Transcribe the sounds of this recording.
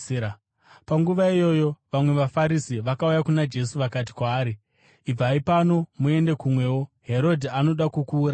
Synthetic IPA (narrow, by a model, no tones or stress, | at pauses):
paŋɡuʋaijo̞ːjo̞ʋamwe̞ʋafaɾisiʋakaujakunad͡ʒe̞suʋakat̬i̥kwaːɾiː | b͡vaipano̞mue̞nde̞kumwe̞ːwo̞ɦe̞ɾo̞dʱiano̞ɗakukuːɾa